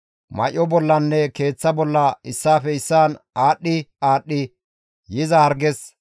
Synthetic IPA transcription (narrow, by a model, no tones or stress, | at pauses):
mɐ̰ʔɔbɔlːɐnːɛke̞ːt͡sːɐbɔlːɐɪsːaːfɛɪsːaːnaːɗːɪaːɗːɪ | jɪzɐhɐɾɡɛs